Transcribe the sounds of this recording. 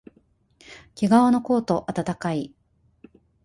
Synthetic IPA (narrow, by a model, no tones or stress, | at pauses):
kʲiɡaono̞ko̞ːt̪o̞ʔat̪at̪akai